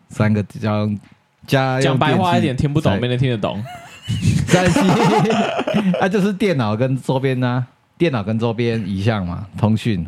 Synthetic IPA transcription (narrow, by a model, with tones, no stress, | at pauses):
sa˦nɡə˨pi˨˩t͡ɕja˥˩˥ŋ | t͡ɕja˦ja˥˧ŋpa˧ɛɪ˧xwa˦i˥˨t̪jɛ˨˩nt̪ʰi˥npu˥˩t̪ɔ˨ŋ˨m˥˨n˧˨˩t̪ʰi˥˦nə˨˩t̪ɔ̰˨˦ŋ | sa˥˧nɕi˥˧ | a˧t͡ɕjo˥˧ʊʂɻ̩˥˨˩t̪jɛ˥˨˩nːɑ˨˩ʊkə˦nt͡so˦ʊpjɛ˦na˧ | t̪jɛ˥˨nɑ˨˩ʊkə˦nt͡sɔ˦pjɛ˦ni˨˩ɕja˥˨ŋma̰˨˩t̪ʰɔ˦ŋɕy˥˨n